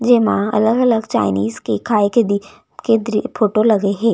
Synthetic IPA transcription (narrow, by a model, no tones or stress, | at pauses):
d͡ʒeːmãɐ̰ləɡɐləɡt͡ʃaːɪniːzkekʰaːeked̪i | ked̪ɾipʰoːʈolɐɡeɦɛ̃ː